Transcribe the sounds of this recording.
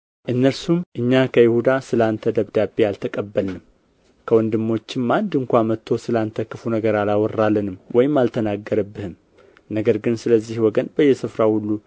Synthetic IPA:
ʔɨnːəɾsumʔɨɲːakʰəjɪhud̪asɨlant̪ʰəd̪əβd̪abealt̪ʰəkʼəbːəlnɨm | kʰəwɔnd̪ɨmːo̞t͡ʃːɪmːand̪ɨŋkʷamət̪ʰːo̞sɨlant̪ʰəkɨfunəɡəɾalawɔrːalːənɨmwɔjɪmːalt̪ʰənaɡːəɾəbːɨhɨm | nəɡəɾɡɨnsɨləzːihwɔɡənbəjːɛsɨfɾahulːu

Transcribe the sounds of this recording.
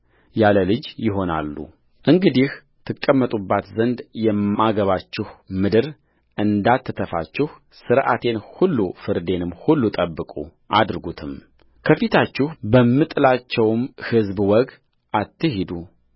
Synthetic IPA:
jaləlɨd͡ʒjɪɦo̞na̰lːṵ | ʔɨŋɡɨd̪ih | t̪ʰɨkʼːəmːət̪ʼubːat̪zənd̪jɛmaɡəβat͡ʃːɪhmɨd̪ɨɾ | ʔɨnd̪at̪ʰːɨt̪ʰəfa̰t͡ʃːɪh | sɨɾʔa̰t̪ʰe̞nhulːufɨɾd̪e̞nɨmːhulːut̪ʼəbːɨkʼṵʔad̪ɾɨɡut̪ʰɨm | kʰəfit̪ʰat͡ʃːɪhbəmːɨt̪ʼɨlat͡ʃːɛwmhɨzbwɔɡ | ʔat̪ːɨhid̪u

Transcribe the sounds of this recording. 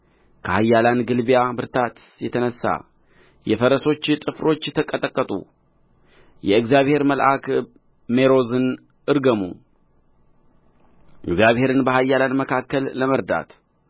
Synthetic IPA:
kʰəhajːalanɡɨlbijabɨɾt̪ʰat̪ | jɛt̪ʰənəsːa̰ | jɛfəɾəso̞t͡ʃːt̪ʼɨfɾo̞t͡ʃːjɛt̪ʰəkʼːət̪ʼəkʼːət̪ʼṵ | jɛɨɡzjaβhe̞ɾməlʔak | me̞ɾo̞zɨn | ʔɨɾɡəmṵ | ʔɨɡzjaβhe̞ɾɨnbəɦajːalanməkʰakːəlːəməɾd̪a̰t̪

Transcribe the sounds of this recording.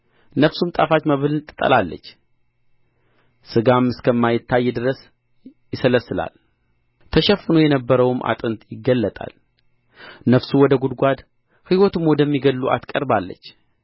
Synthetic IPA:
nəfsumt̪ʼafat͡ʃməβɨlɨt̪ʼɨt̪ʼːə̰lalːə̰t͡ʃː | sɨɡamːɨskʰəmːajɪt̪ːajːɛd̪ɨɾəs | jɪsələsːɨla̰l | t̪ʰəʃɛfːɨnojɛnəbːəɾəwmʔa̰t̪ʼɨnt̪jɪɡːəlːət̪ʼa̰l | nəfsuwɔd̪əɡud̪ɡʷad̪ | hɨwɔt̪umwɔd̪əmːiɡəlːuʔa̰t̪kʼəɾbalːə̰t͡ʃː

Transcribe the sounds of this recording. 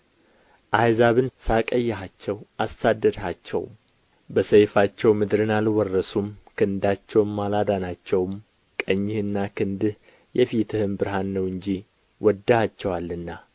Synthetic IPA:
ʔajzaβɨnsakʼəjːɛɦat͡ʃːɛwʔasad̪ːəd̪hat͡ʃːɛ̰wm | bəsəjfat͡ʃːɛwmɨd̪ɾɨnalwɔrːəsumkʰɨnd̪at͡ʃːɛwmːalad̪anat͡ʃːɛwm | kʼəɲːɪhɨnːakʰɨnd̪ɨh | jɛfit̪ʰɨhɨmbɨɾɦanːəwɨɲd͡ʒi | wʔɔd̪ːəhat͡ʃːɛwalːɨnːa

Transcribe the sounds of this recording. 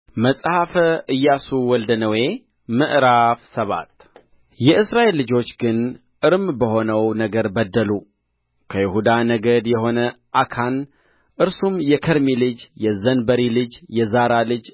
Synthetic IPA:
məsʼhafəʔɨjːasuwɔld̪ənəwe̞ | mɨʔɾafsəβa̰t̪ | jɛʔɨsɾaʔelːɨd͡ʒo̞t͡ʃːɡɨn | ʔɨɾɨmbəho̞nəwnəɡəɾbəd̪ːəlu | kʰəjɪhud̪anəɡəd̪jɛɦo̞nəʔakʰan | ʔɨɾsumjɛkʰəɾmilɨd͡ʒjɛzənbəɾilɨd͡ʒjɛzaɾalɨd͡ʒ

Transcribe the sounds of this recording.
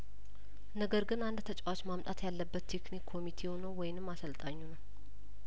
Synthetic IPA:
nəɡəɾɡɨnand̪t̪ʰət͡ʃʼawat͡ʃmamt̪ʼat̪jalːəbːət̪ːʰe̞knikʰːo̞mit̪ʰe̞honəwːɔjɪnɨmːasəlt̪ʼaɲːunəw

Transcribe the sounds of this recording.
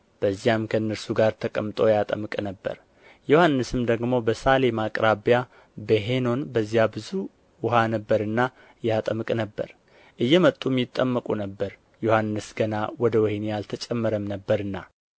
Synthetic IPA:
b̥əzːijamkʰəɨnːəɾsuɡaɾt̪ʰəkʼəmt̪ʼo̞jat̪ʼəmɨkʼnəbːə̰ɾ | johanːɨsɨmd̪əɡmo̞bəsalemakʼɾabja | beɦeno̞nbəzːijabɨzu | wʊɦanəbːəɾɨnːa | jat̪ʼəmɨkʼnəbːə̰ɾ | ʔɨjːɛmət̪ʼːumjɪt̪ʼːəmːəkʼunəbːəɾ | johanːɨsɡənawɔd̪əwɔhenjalt̪ʰət͡ʃʼɛmːəɾəmnəbːəɾɨnːa

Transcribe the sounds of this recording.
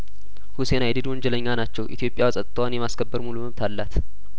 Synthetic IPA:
huse̞najd̪ɨd̪wɔnd͡ʒɛləɲːanat͡ʃːɛwʔḭt̪ʰjo̞pʼjawsʼət̪ʼt̪ʰəwanjɛmaskʰəbːəɾmuluməβt̪ʰalːat̪

